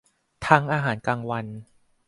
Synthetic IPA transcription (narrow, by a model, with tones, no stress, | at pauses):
t̪ʰa˦˥ŋʔaː˧ɦaː˩˦nkaː˧ŋwa˧n